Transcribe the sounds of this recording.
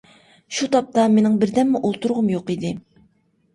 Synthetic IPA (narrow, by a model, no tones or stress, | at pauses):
ʃut̪ʰɑp̚t̪ɑmenɪŋbɪɾd̪ɛmːɪʔolˠt̪ʰuɾʁʊmjoqid̪ɪ